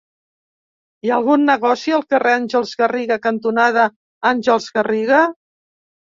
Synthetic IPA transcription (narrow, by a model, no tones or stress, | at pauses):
iəlˠɣunːəɣɔsiəlˠkəreanʲʒəlˠzɣəriɣəkənt̪unað̞ə | anʲʒəlˠzɣəriɣ̞ə